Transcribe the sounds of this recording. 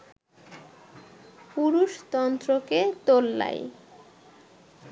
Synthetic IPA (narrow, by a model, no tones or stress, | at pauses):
puɾuʃt̪ɔnt̪ɾoket̪olːa̰j